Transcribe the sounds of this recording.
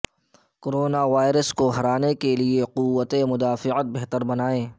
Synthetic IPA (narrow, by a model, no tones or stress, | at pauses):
koɾoːnaʋaːɪɾəskoɦɐɾaːnekelieqʊwːət̪emʊd̪aːfɪət̪̚bɛɦt̪əɾbɐnaːẽː